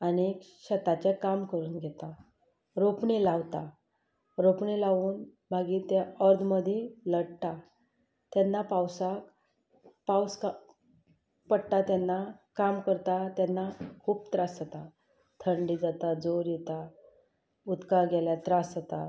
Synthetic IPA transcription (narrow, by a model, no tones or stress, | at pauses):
aniekɕət̪at͡ɕekamkəɾuːnɡʱɛt̪a | ɾopɳilawt̪a | ɾopɳilaʋuːn | bʱaɡiːt̪jaəɾd̪məd̪ʱĩləɽt̪a | t̪jɛnːapawsak | pawska | pəɽʈ̪at̪janːakamkəɾt̪at̪janːakʰuːb̚t̪ɾasd͡zat̪a | t̪ʰəɳɖiːd͡zat̪ad͡zoɾjɛt̪a | ut̪kaɡʱɛljat̪ɾasd͡zat̪a